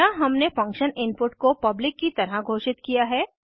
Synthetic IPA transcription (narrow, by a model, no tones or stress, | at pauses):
aɦɐmnefɐ̃ŋkʃənɪ̃npʊʈkopɐblɪkːit̪ɐɾəɡʱoːʃɪt̪kijaɦɛː